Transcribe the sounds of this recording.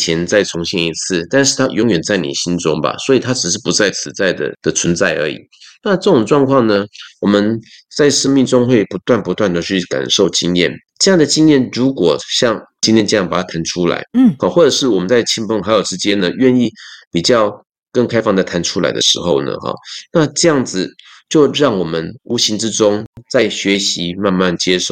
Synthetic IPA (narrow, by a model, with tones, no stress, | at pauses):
t͡ɕʰjɛ˧˥nt͡sa˥˩ɪt͡sʰʊ˧˥ŋɕjɛ˥˩ni˧˥t͡s̩ʰ˥˩t̪a˥˧nʂɻ̩˥˩t̪ʰa˥jʔo˧˥ŋɥɛ˨˩nt͡sa˥˩ɪnḭ˨˩ɕi˥nʈ͡ʂʊ˥ŋba̰˨˩swɔ˧˥i˨˩t̪ʰa˥ʈ͡ʂɻ̩˨˩ʂ̬ɻ̩˥˩pu˧˥t͡sa˥˩ɪt͡sʰɹ̩˧˥t͡sa˥˩ɪd̪ə̰˩d̪̥ə˨t͡sʰwə˧˥nt͡sa˥˩ɪə̰˞˧˥ḭ˨˩˦na˥˧ʈ͡ʂɤ˥˩ʈ͡ʂʊ˨˩ŋʈ͡ʂwɑ˥˧ŋkʰwɑ˥˩ŋnə˩wɔ˨˩mə˦nt͡sa˥˩ɪʂə˥ŋmi˥˩ŋʈ͡ʂʊ˥ŋxwe˥˩ɪpu˧˥t̪wa˥˩npu˧˥t̪wa˥˩nd̪ə˨˩t͡ɕʰy˥˩ka̰˨˩nʂo˥˩ʊt͡ɕi˥ŋjɛ̰˥˩n | ʈ͡ʂɤ˥˧jɑ˥˩ŋd̪ə˩t͡ɕi˥njɛ˥˩nɻu˧˥kwɔ˨˩ɕjɑ˥˩˧ŋt͡ɕi˥nt̪ʰjɛ˥nt͡ɕe˥jpa˨˩t̪a˥˩t̪ʰa˧˥nʈ͡ʂʰu˥la̰˧˥ɪhɔ˧˩xwɔ˥˩ʈ͡ʂɤ˨˩ʂɻ̩˥˩wɔ˨˩mə˨˦nt͡sa˥˩ɪt͡ɕʰi˥npə˥ŋxa˧˥ɪjo˨˩ʊʈ͡ʂɻ̩˧˥t͡ɕjɛ˥nd̪ə˨ɥɛ˥˧ni˥˩pi˨˩t͡ɕjɑ˥˧ʊ | kə˥˩ŋkʰa˥ɪfɑ˥˩ŋd̪ə˩t̪ʰa˧˥nʈ͡ʂʰu˥la̰˧˥ɪd̪ə̰˧ʂɻ̩̰˧˥xo˥˩ʊnə̰˩xɔ̰˨˩na˥˧ʈ͡ʂɤ˥˧jɑ˥˩ŋd͡zɹ̩˨˩t͡ɕjo˥˧ʊɻɑ˥˩ŋwɔ˨˩mə˦nu˧˥ɕi˧˥ŋʈ͡ʂɻ̩˥ʈ͡ʂʊ˥ŋt͡sa˥˩ɪɕɥɛ˧˥ɕi˧˦ma˥˧nma˥˩nt͡ɕjɛ˥ʂo˥˩ʊ